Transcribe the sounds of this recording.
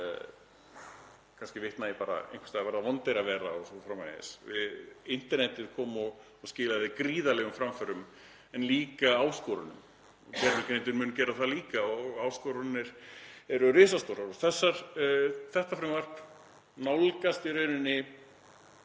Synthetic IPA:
kʰanscɪvɪht̪naːjpaːɾa̰ḛjnkʰfḁst̪avɛɾðavɔnt̪eɾavɛːɾaɔsɔfɾamːa̰jɪ̰svɪðɪn̥t̪ɛɾnɛt̪ɪɾ̥kʰɔːmɔɣ | ɔscɪːlaðɪkɾiːðalɛɣʏmfɾamfœɾʏm | ɛnliːkaaːwskɔːɾʏnʏ̰m | cɛɾmɪk̪ɪɾnejt̪ɪɾmʏːncɛːɾaθaliːkaɔɣɣaːwskɔɾʏnːɪɾ̥ɛɾʏrɪːsast̪oːɾaɾɔɣθɛsːaɾ̥θɛht̪afɾamvar̥t | nawlkast̪ɪɾeːjnʏnːɪ

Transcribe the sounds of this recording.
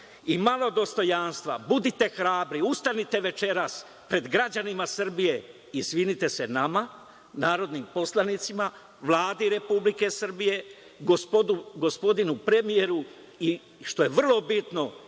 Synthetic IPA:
imalˠo̞d̪o̞st̪o̞janst̪ʋa̰bud̪it̪e̞xɾaːbɾiust̪anit̪e̞ʋe̞t͡ʃe̞ɾas | pɾe̞d̪ɡɾad͡ʑanimasr̩bije̞ | isʋinit̪e̞se̞nama | naːɾo̞d̪nimpo̞slˠanit̪sima | ʋlˠaːd̪iɾe̞publike̞sr̩bije̞ | ɡopouɡo̞spo̞d̪inupɾe̞mije̞ɾu | i | ʃt̪o̞je̞ʋr̩lo̞bit̪no̞

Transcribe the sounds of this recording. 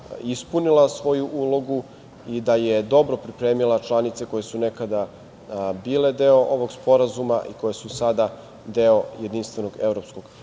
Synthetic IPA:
ispunilˠasʋo̞juʔuːlˠo̞ɡu | id̪ajed̪o̞bɾo̞pɾipɾeːmilˠat͡ʃlˠanit̪se̞ko̞je̞sune̞kad̪a | biːle̞d̪e̞oʔo̞ʋo̞ɡspo̞ɾazumaʔikojesusad̪a | d̪eo̞je̞d̪inst̪ve̞no̞ɡe̞vɾopskoɡ̥

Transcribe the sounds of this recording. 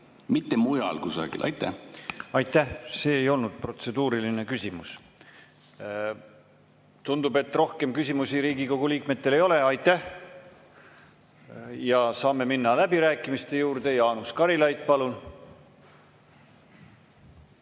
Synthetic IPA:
mit̪ːemujɑ̰lkusɑ̰ɡ̥ḭlʔɑ̰jt̪ːˑæɑjt̪ˑːæhse̞ːjo̞lnud̪̥̚pro̞t̪se̞d̪̥uːɾiline̞kysʲimus | t̪und̪ube̞t̪ːˑro̞hke̞mkysʲimusiɾiːɡiko̞ɡ̥uliːk̚me̞t̪ːe̞le̞jo̞le̞ɑjt̪ːæh | jɑsɑːme̞minːɑlæbiɾæːkˑːimist̪e̞juːrd̪̥e̞jɑːnuskɑɾilɑjt̪ːˑpɑlun

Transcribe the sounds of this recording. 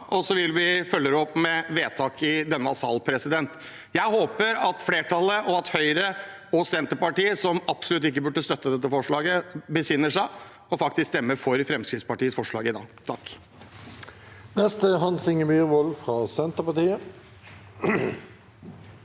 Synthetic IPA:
ʔɔsɔʋɪlʋɪfœlːəɾəɔpːmɛʋeːt̪ʰɑːkɪd̪ɛnːəɑsɑːlpʰɾɛsɪd̪ɛnt̪ | jæɪhoːpəɾɑt̪fleːʈʰɑləʔɔɑt̪hœʏɾə | ɔsɛnt̪əpɑʈiːəsɔmɑpsɔlʉt̪̬ːɪk̬ːəbʉɖːəst̪œt̪ːəd̪ɛt̪ːəfɔʂɭɑːɡəbəsɪnːəʂæɪ | ɔfɑkt̪ɪskst̪ɛmːəɾfɔɾfɾɛmskɾɪt̪spɑʈiːəsfɔʂɭɑ̰ːɡɪd̪ɑ̰ːɡt̪ʰɑk | nɛst̪əɦɑnsɪŋəmyːʁʋɔlfɾɑsɛnt̪əpɑt̪iːə

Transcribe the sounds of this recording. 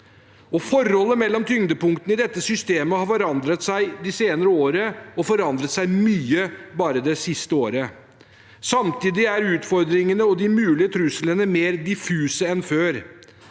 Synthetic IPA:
ɔfɔɾɔlːəmɛlːɔmt̪ʰʏŋd̪əpʊŋkt̪ən̩ɪd̪ɛt̪ːəsʏst̪eːməhɑɾfɔɾɑnd̪ɾət̪sæɪd̪ɪseːnəɾəoːɾəɔfɔɾɑnd̪ɾət̪sæɪmyːəbɑːɾəd̪ɛsɪst̪əoːɾə | sɑmt̪iːd̪ɪæɾʉːt̪fɔɾd̪ɾɪŋənəɔd̪ɪmʉːlɪət̪ʰɾʉslənəmeːɾd̪ɪfʉːsəɛnføːɾ

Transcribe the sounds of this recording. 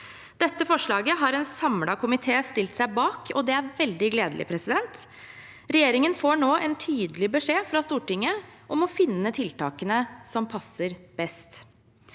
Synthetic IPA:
d̪̥ɛt̪ːəfɔʂɭɑːɡəɦɑɾɛːnsɑmɽɑkʰʊmɪt̪ʰeːst̪ɪlt̪sæɪbɑːkʰɔd̪ɛæɾʋɛld̪ɪɡleːd̪əlɪ̰pʰɾɛsɪd̪ɛnt̪ | ɾɛjeːɾɪŋənfoːɳoːʔɛnt̪ʰyːd̪əlɪbəʂeːfɾɑst̪uːʈɪŋːəʔɔmɔfɪnːət̪ʰɪlt̪ɑ̰ːkənəsɔmpʰɑsːəɾb̥ɛst̪

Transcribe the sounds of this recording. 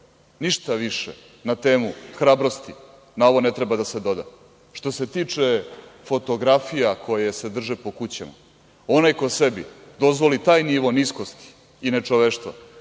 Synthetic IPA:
niʃt̪aʋiʃḛ | nat̪eːmuxɾaːbɾo̞st̪i | nao̞ʋo̞ne̞t̪ɾebad̪ase̞d̪o̞d̪a̰ | ʃt̪o̞se̞t̪iːt͡ʂefo̞t̪o̞ɡɾafijakʰo̞jese̞d̪r̩ʒepo̞kut͡ɕa̰ma̰ | o̞najkose̞bḭd̪o̞zʋo̞lit̪aːjniʋo̞nisko̞st̪i̥ː | ne̞t͡ʂo̞ʋeʃt̪ʋa̰

